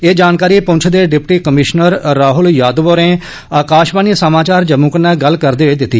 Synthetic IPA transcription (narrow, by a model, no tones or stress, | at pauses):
eːd͡ʒaːnkaːɾiːpʊ̃nt͡ʃʰd̪eːɖɪpʈiːkəmɪʃnəɾːaːɦʊljaːd̪ʋoːɾẽː | aːkaːʃbaːniːsəmaːt͡ʃaːɾd͡ʒəmũːkənɛːɡəlkəɾd̪eːɦiːd̪ɪt̪ːiː